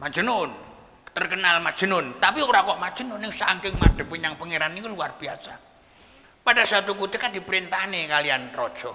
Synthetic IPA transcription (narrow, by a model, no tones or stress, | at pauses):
mad̥d͡ʒ̥ənʊn | t̪ərkənalmad̥ʒ̥ə̤nʊnt̪apioɾakɔʔmad̥ʒ̥ə̤nʊnɪŋsaŋkɪŋmaɖ̥ə̤puɲaŋpəŋeɾanikuluarb̥iasa̰ | padasat̪ukut̪əkad̥̪i̤pɾint̪anekalianrɔd̥ʒ̥ɔ